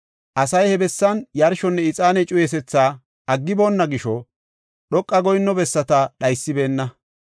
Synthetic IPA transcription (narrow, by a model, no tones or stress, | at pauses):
ʔɐsɐjhɛbɛsːɐnjɐɾʃɔnːɛɪt͡sʼaːnɛt͡ʃʼʊjɛs̬ɛt͡sːaː | ɐɡːɪbo̞ːnːɐɡɪʃɔ | ɗɔkʼːɐɡɔjnːɔbɛsːɐt̪ɐɗɐjsːɪbe̞ːnːɐ